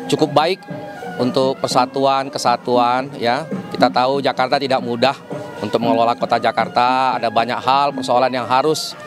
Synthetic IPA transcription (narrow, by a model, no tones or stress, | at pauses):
t͡ʃukʊp̚baɪk̚unt̪ʊk̚pərsat̪uankəsat̪uanjakit̪at̪aud͡ʒakart̪at̪idak̚mudahunt̪ʊk̚məŋəlolahkot̪ad͡ʒakart̪aːdabaɲakɦalpərsoalanjaŋɦaɾʊs